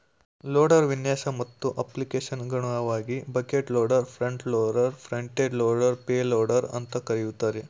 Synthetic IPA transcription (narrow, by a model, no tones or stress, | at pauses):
loːɽɐɾʋinjaːsɐmɐt̪ːuʔɐplikeːʃɐnɡɐɳuɐʋaːɡibɐkeʈloːɖɐɾpʰɾɐɳʈloːɖɐɾpʰɾɐɳʈeːɖloːɖɐɾpeːloːɖɐɾɐ̰nt̪ɐkɐɾijut̪ːaːɾe